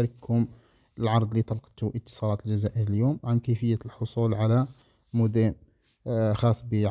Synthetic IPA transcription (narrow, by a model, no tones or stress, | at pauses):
ɾəkhʊm | əlʕɑɾˤd̪ˤlit̪ɑlqt̪ʊʔət̪ːə̥sˤɑlɑt̪lʒæzæʔəɾəljomʕankəjfəjːalħosˤulʕalæ | mʊd̪æm | xɑsˤːbə